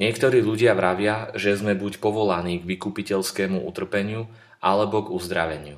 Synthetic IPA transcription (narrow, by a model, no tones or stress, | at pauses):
ɲɪɛkt̪ɔɾiːʎuɟɪaʋɾaʋɪaʒɛzmɛbucpɔʋɔlaniːɡʋikupicɛʎskɛːmuʔṵt̪r̩pɛɲɪu | ʔalɛbɔɡuzd̪ɾa̰ʋɛɲɪu